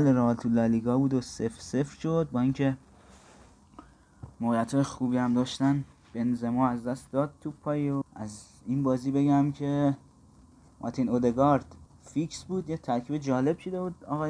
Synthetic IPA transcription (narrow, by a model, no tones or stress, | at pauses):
leɾɒlt̪ʰulæliɡɒːbuːd̪osefsefɾʃo̞d̪̚bɒːiŋkʰe̞ | moɣijæt̪hɒːjexuːbiːæmd̪ɒːʃt̪æn | b̥e̞nzemɒːæzd̪æst̪d̪ɒːd̪̚t̪ʰupʰɒːjioʔæz | inbɒːziːbe̞ɟæmcʰe̞ | mʔɒ̰t̪ʰinod̪eɡɒːɾd̪̥ | fiksbuːd̪jet̪ʰæɾkʰiːbed͡ʒɒːle̞b̥ʃod̪e̞buːd̪ɒːɣɒːje